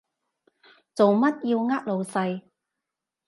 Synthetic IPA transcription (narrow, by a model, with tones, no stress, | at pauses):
t͡so˨wmɐ˥t̚jiː˧wŋaː˥k̚lo˨˧wsɐ˧j